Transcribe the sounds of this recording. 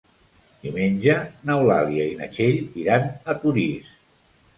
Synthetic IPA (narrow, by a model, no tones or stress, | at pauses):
d̪̥imenʲd͡ʒənawla̰liəinə̰ʃeʎiɾanət̪uɾis